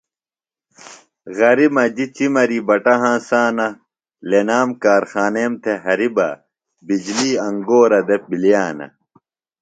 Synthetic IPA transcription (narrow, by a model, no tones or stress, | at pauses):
ɣɐɾimɐd͡ʑit͡ɕimɐɾibɐʈɐɦãːsaːnɐ | lenaːmkaːɾxaːneːmt̪ʰeɦɐɾibɐ̰ | bid͡ʑliːɐŋɡoːɾɐd̪ep̚biljaːnɐ̰